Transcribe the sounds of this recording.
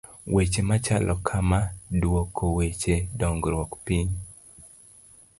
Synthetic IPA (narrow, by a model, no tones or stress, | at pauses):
wet͡ʃemat͡ʃalʔɔkʰamadwokʰːowet͡ʃedɔŋɡɾwɔkpiɲ